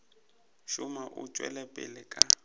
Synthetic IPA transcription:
ʃʊmaʔʊ̰t͡ʃʼwɛ̰lɛpʼɪ̰lɪkʼa

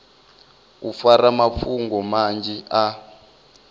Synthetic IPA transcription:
ufaɾamafuŋɡɔmand͡ʒɛa

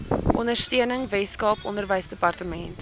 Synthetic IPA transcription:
ʔɔndərstyənəŋvɛskɑːpʔɔndərvəjsdəpɐrtəmɛnt

